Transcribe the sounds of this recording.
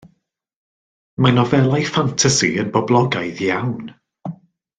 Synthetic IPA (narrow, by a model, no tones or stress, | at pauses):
manɔvɛlˠajfantʰasḭənbɔblˠɔɡajðjawn